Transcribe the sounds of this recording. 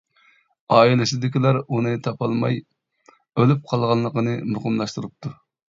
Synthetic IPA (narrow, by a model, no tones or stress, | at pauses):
ɑːilɪsɪd̪ɪkʲilæɾunɨt̪ʰɑpʰɑlˠmɑj | ølyp̚qʰɑlˠʁɑnlˠəqənɨmoqəmlˠɑʃt̪ɨɾɨp̚t̪ʰu